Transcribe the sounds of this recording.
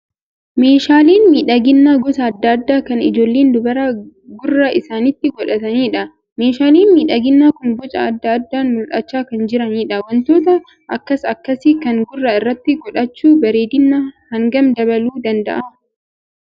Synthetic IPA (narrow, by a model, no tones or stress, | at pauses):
me̞ːʃaːliːnmiːᶑɐɡɪnːaːɡɔsɐɐd̪ːɐːd̪ːaːkɐnɪd͡ʒo̞ːlːeːnd̪ʊbɐɾaɡʊrːɐʔɪsaːnɪt̪ːɪɡɔᶑɐt̪ɐniːᶑɐ | meːʃaːliːnmiːᶑɐɡɪnːaːkʊnɡɔt͡ʃʼɐ̰ːd̪ːɐːd̪ːaːnmʊlᶑɐt͡ʃːaːkɐnd͡ʒɪɾɐniːᶑɐwɐnt̪o̞ːt̪ɐ | ʔɐkːɐsɐkːɐsikɐŋɡʊrːɐɪrːɐt̪ːɪɡɔᶑɐt͡ʃːuːbɐɾeːd̪ɪnːahɐŋɡɐmd̪ɐbɐluːd̪ɐnd̪ɐ̰ʔɐ